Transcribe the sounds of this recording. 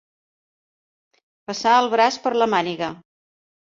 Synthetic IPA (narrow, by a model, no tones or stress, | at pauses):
pəsaəlˠβɾaspəɾləmaniɣə